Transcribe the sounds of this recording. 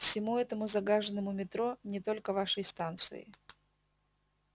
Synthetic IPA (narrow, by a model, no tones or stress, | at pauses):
fsʲɪmuɛt̪əmʊzɐɡaʐənəmʊmʲɪt̪ɾonʲɪt̪o̞lʲkəvaʂəjst̪ant̪sɨ̰ɪ̰